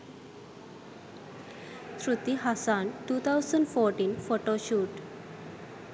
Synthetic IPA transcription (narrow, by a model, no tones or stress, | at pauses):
ɕɾut̪iɦasanʈuːt̪ʰawsəɳɖfɔɾʈiːnfoʈoɕuːʈ